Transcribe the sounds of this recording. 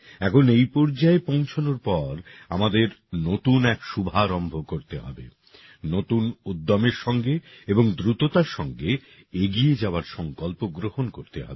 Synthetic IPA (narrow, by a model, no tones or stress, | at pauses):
ɛkʰonejpɔɾd͡ʑaepõw̃t͡ɕʰonoɾpɔɾa̰mad̪eɾnot̪unɛkʃubʱaɾɔmbʱokoɾt̪eɦɔbe | not̪unud̪ːɔmeɾʃɔŋɡeeboŋd̪ɾut̪ot̪aɾʃɔŋɡe | eɡied͡ʑaoaɾʃɔŋkɔlpoɡɾohonkoɾt̪eɦɔ̰be